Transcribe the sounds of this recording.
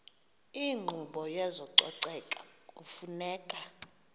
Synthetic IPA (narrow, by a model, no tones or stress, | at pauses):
iŋ͡ǃʱuɓɔjɛzɔǀɔ̰ǀɛkʼaufunɛːkʼa